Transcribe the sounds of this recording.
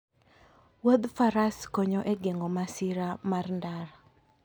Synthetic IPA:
wod̪faɾaskoɲoʔeɡeŋɡomasiɾamarndaɾa

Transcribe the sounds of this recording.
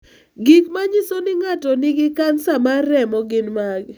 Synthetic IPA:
ɡikmaɲɪsonɪŋatɔnɪɡɪkansamaɾɛmɔɡɪnmaɡ

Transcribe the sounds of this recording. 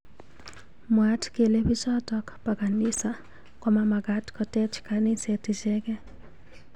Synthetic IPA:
mwatkelebit͡ʃɔtɔkpakanɪsa | kɔmamaɡatkɔtɛt͡ʃkanɪsetɪd͡ʒɛɡɛ

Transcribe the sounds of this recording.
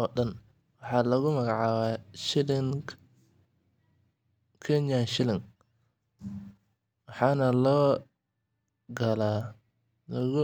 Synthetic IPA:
ɔːɗɐn | wɑħɑːlɐɣʊmɐɣɑʕɑːwaːʃɪlɪŋ | kʰɛɲanʃɪlɪŋ | wɑħɑːnɐlɔː | ɡɐlaː | lɐɣʊ

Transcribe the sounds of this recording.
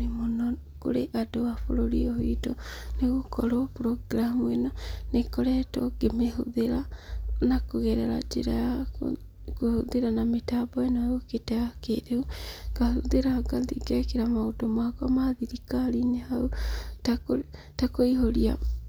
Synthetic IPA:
emonɔ | ko̰ɾeʔadowafo̰ɾoɾiohitoneɣokɔɾɔpɾɔɡɾamuenanekɔɾɛtɔɡemeɦoðeɾanakoɣɛɾɛɾa̰d͡ʒḛɾaja̰ | kohoðeɾanametabɔenaɣoketɛɣakeɾeuɡ̥ahuðeɾaɡadiɡɛkeɾamaodɔmakwamaðiɾikaɾiɲehautako | takoiɦoɾia̰

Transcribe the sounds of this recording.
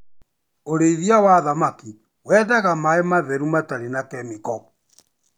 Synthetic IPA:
oɾeiðiawaðamaki | wɛːdaɣamaemaðɛɾumataɾenakɛmikɔ

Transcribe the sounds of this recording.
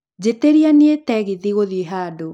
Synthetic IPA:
d͡ʑeteɾianietɛɣiðiɣoðieɦaːdo

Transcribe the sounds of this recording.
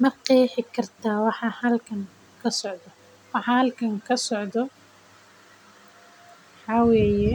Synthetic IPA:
mɐqiːħɪkʰɐrt̪ʰaːwɑħɑːhɐlkʰɐŋ | kʰɐsɔʕd̪ɔ | wɑħɑːhɐlkʰɐŋkʰɐsɔʕd̪ɔ | ħɑwɛːjɛ

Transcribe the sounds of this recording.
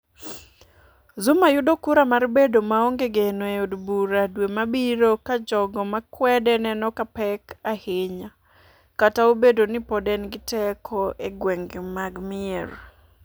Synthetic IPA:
zʊmajʊdokuɾamarbedomaoŋɡeɡenoeodbuɾadwemabiɾokad͡ʒɔɡɔmakwɛdɛnɛnɔkapɛkaheɲa | kataobedonɪpɔdɛnɡɪtɛkʰɔʔeɡwɛŋɡmaɡmɪer

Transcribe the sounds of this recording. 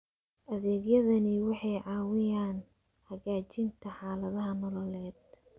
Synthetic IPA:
ʔɐðɛːɡjɐðɐnɪwɑħɑjʕɑːwɪjaːn | hɐɣaːt͡ʃɪnt̪ʰɐħɑːlɐðɐɦɐnɔlɔlɛːd̪̚

